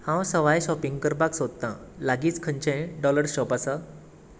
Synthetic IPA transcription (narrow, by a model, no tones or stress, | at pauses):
hãwsəʋajɕɔpiŋɡkəɾpaksod̪̚t̪ãlaɡiːt͡skʰəɲt͡ɕẽɖɔləɾɕɔpasa